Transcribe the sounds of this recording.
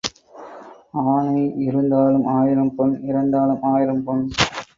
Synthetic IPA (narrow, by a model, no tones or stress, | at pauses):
aːɳɐɪɪɾɯnd̪aːlɯmʔaːjɪɾɐmpɔnɪɾɐnd̪aːlɯmaːjɪɾɐmpɔn